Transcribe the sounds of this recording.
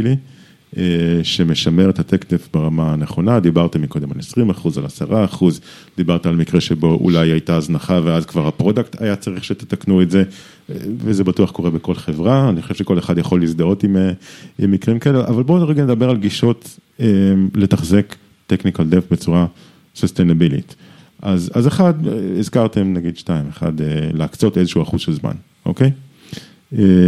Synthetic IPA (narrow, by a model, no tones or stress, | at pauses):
li | eʃemeʃameʁet̪hat̪ekdefbeʁamaneχo̞nad̪ibaʁt̪emiko̞d̪e̞malesʁimaχuzalasaʁaːχuz | d̪ibaʁt̪aalmikʁeʃebo̞ʔṵlajajtaːznaχaveazkvaʁhapʁo̞d̪ak̚t̪ʰa̰jat͡saʁiχʃet̪et̪aknueze̞ | vezebatuaχko̞ʁebeko̞lχevʁaːniχoʃeʃeko̞le̞χad̪jaχo̞lːizd̪aot̪imeimːikʁimkaeleʔavalboʁeɡanedabe̞ʁalɡiʃo̞temle̞taχzek | teknikald̪efbet͡suʁa | sost̪enabilḭt | ʔazazeχad̪izkaʁt̪e̞mnaɡid̪ʃtaimeχa̰deleakt͡sotezeʃuuaχuzʃelzma̰n | ʔokej | e